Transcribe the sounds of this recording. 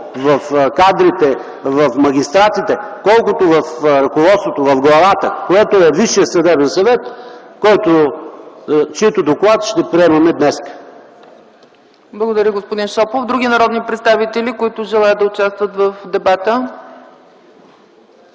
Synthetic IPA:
vɐfkad̪ɾit̪ɛ | vɐfmɐɡ̟ʲist̪ɾat̪it̪ɛkɔlˠkʊt̪ovɐfɾɐkovɔt̪st̪vot̪ovɐfɡlˠɐvat̪əkoɛt̪oɛviʃiəsɐd̪ɛbɛnsɐvɛt̪kɔjt̪o | t͡ʃit̪od̪oklˠat̪ʃt̪ɛpɾiɛmɐmɛd̪nɛskə̥ | blˠɐɡod̪ɐɾʲəɡospʊd̪inʃɔpofd̪ɾuɡ̟ʲinɐɾɔd̪nipɾɛt̪st̪avit̪ɛlikoit̪ʊʒɛlˠajət̪d̪d̪ɐʊt͡ʃast̪vət̪vəfd̪ɛbat̪ə

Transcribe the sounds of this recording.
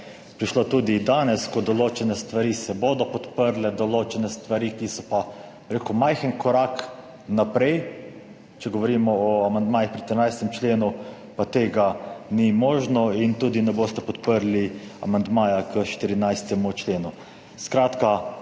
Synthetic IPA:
pɾiʃloːt̪uːd̪id̪aːnɛskɔd̪ɔloːt͡ʃɛnɛst̪ʋaɾisɛboːd̪ɔpɔt̪pəɾlɛd̪ɔloːt͡ʃɛnɛst̪ʋaɾikisɔpa | ɾekumajxənkɔɾak | napɾɛj | t͡ʃɛɡɔʋɔɾimɔɔamand̪maːjixpɾiʃt̪ɾinajst̪ɛmt͡ʃleːnu | pat̪eːɡanimoːʒnɔint̪uːd̪inɛboːst̪ɛpɔt̪pəɾlia̰mand̪maːjakəʃt̪iɾinajst̪ɛmut͡ʃleːnu | skɾaːt̪ka

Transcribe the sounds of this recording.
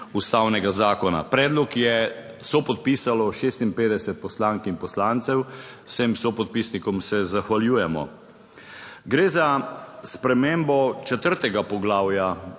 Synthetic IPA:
ust̪awnɛɡazaːkɔna̰pɾɛːd̪lɔkjɛ | sɔpɔt̪̚piːsalɔʃeːst̪impeːd̪ɛsɛt̪̚pɔslaːŋkinpɔslaːnt̪sɛw | sɛmsopɔt̪̚pisnikɔmsɛzaxʋaljuːjɛmɔ̰ | ɡɾeːzaspɾɛmembɔt͡ʃɛt̪əɾt̪ɛɡapɔɡlaːwja

